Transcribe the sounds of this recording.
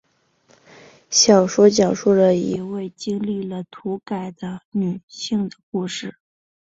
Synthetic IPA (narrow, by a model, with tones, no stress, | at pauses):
ɕjɑ˨˩ʊʂwɔ˥t͡ɕjɑ˨˩ŋʂu˥˩d̪ə˩i˧˥we˥˩ɪt͡ɕi˥ŋli˥˩lə˩t̪ʰu˧˥ka˨˩ɪd̪ə˦ny˨˩ɕi˥˩ŋd̪ə˩ku˥˧ʂɻ̩˥˩